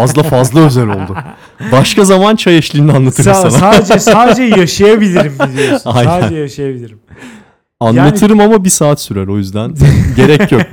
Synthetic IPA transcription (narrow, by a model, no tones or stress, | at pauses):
azlˠafazlˠaøzælʲolˠd̪ʊ | baʃkazamant͡ʃʰajaʃlʲˠiːnianlˠat̪ʰɯɾanaad͡ʒsaːd͡ʒɛjaʃajabilʲiɾimajæɛjaʃajabilʲiɾim | anlˠat̪ʰɯɾɯmamabisaːt̪syɾæɾo̞jyzd̪ænɟe̞ɾɛjok̚